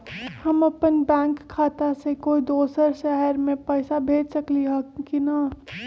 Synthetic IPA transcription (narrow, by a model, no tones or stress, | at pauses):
həmɐpənbɛ̃ːŋkʰːaːt̪asekoːid̪oːsəɾʃɛɦɛɾmẽpɛːɪsabʱeːd͡ʒsəkliɦokina